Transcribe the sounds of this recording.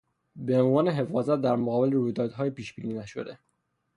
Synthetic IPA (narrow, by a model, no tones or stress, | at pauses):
beonvɒːneɦe̞fɒːzæt̪̚d̪æɾmoɣɒːbe̞leɾuːjd̪ɒːd̪ɦɒːjepiːʃb̥ḭːniːnæʃo̞̰d̪e̞